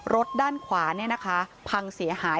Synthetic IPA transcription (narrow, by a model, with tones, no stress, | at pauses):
ɾo˦˥t̪̚daː˥˩nkʰwaː˩˦ni˥˩na˦˥kʰa˦˥pʰa˧ŋsi˩˦ɐhaː˩˦